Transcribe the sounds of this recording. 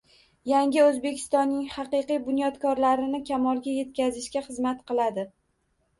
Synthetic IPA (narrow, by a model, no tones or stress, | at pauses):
jaŋʲɪozbe̞kʲʰɪ̥st̪ɒnːɪŋhɑqɨjqɨjbʊnjɒt̪kʰɒɾlaɾɪnɪkʲʰamɒlˠɡʲaje̞t̪̚kʲazɪʃkʲaχɨzmat̪qʰɨlˠad̪ɪ